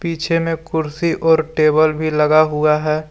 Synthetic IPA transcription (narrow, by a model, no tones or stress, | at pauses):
piːt͡ʃʰemẽkʊɾsiʔɔːɾʈeːbəlbʱilɐɡaɦʊaɦɛː